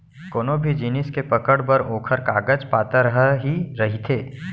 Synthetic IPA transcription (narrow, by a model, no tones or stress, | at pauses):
koːnobʱid͡ʒiːnɪskepɐkəɽbɐɾoːkʰəɾkaːɡəd͡ʒpaːt̪aɾəɦɦiɾɐɦit̪ʰeː